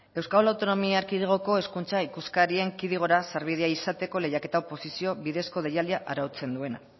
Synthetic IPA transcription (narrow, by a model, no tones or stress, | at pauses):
e̞wskalawt̪o̞no̞miaɾkiðiɣ̞o̞ko̞e̞skunt͡saikuskaɾie̞ŋkiðiɣ̞o̞ɾasaɾβið̞e̞aisat̪e̞ko̞le̞jake̞t̪aopo̞sisio̞βiðe̞sko̞ð̞ejald̪iaʔaɾawt͡se̞nd̪ue̞na̰